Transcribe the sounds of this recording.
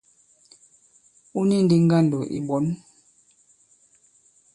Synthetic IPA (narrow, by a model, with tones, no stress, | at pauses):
u˦ni˦n̩˦di˦ŋ̩˦ɡa˦˨n̩˨do˨ʔḭ˨ɓɔ˨˦n